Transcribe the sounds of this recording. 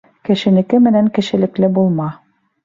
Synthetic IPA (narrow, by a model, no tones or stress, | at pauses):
kɘ̆ʃɘ̆nɘ̆kɘmɘ̆næŋkɘ̆ʃɘ̆lɘ̆klɘbulˠmɑ